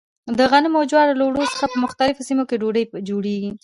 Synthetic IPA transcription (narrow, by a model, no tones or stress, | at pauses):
d̪əɣanəmawd͡ʒwɑɾlowɽosə̥xapəmʊxt̪alɪfosimokeɖoɖəjd͡ʒoɽeɡi